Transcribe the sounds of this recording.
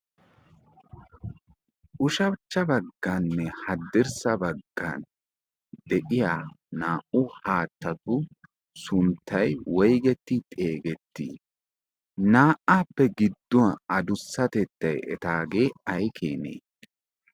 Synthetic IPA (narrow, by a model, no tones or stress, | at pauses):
ʔʊʃɐbt͡ʃːɐbɐɡːɐnːɛhɐd̪ːɪɾsɐbɐɡːɐ̰n | d̪ɛʔɪjaːnaːʔʊhaːt̪ːɐt̪ʊ | sʊnt̪ʰːɐjwɔjɡɛt̪ːɪt̪ʼe̞ːɡɛt̪ːi | naːʔaːpːɛɡɪd̪ːɔɐɐd̪ʊsːɐt̪ɛt̪ːɐjɛ̰t̪aːɡe̞ːɐjkʰeːnḛː